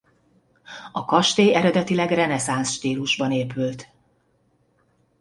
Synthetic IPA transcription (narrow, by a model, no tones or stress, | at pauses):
ɒkɒʃt̪eːjɛɾɛd̪ɛt̪ilɛɡrɛnɛsansʃt̪iːluʒbɒneːpylt̪